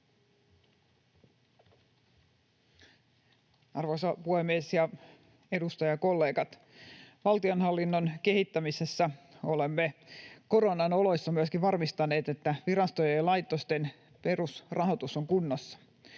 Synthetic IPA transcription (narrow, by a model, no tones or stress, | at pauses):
ɑrʋosɑpuhemiesjɑ | e̞dust̪ɑjɑko̞lːe̞ːɡɑt̪ | ʋɑlt̪ionɦɑlːinːonke̞hit̪ːæmisesːæolemːeko̞ɾonɑno̞lo̞jsːɑmyəskiʋʋɑrmist̪ɑne̞ːt̪et̪ːæʋiɾɑst̪ojejlɑjt̪ːost̪en | pe̞rusrʔɑɦo̞t̪usoŋkunːosːɑ̥